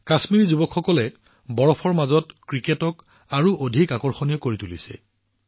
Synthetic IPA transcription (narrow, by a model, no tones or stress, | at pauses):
kasmiɹizubɔkxɔkɔlɛ | bɔɹɔpʰɔɹmazɔtkɹiketɔk | aɹuʔodʱikakɔɹxɔnijɔkoɹitulisɛ̰